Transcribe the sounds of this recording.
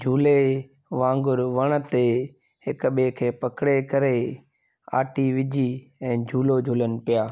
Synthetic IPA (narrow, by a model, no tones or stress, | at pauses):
d͡ʒʱuːle | ʋãːŋɡʊɾʋɐɽ̃ə̆t̪e | hɪkɓekʰeːpɐkɽekɐɾe | a̰ːʈiʋɪd͡ʑiɛ̃ːd͡ʑʱuːlod͡ʒʱuːlənɪ̆pɪjaː